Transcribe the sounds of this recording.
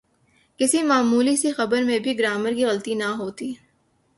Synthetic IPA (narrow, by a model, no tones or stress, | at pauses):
kɪsimaːmuːlisixɐbəɾmẽbʱiɡɾaːməɾkiɣɐlt̪inɐɦoːt̪iː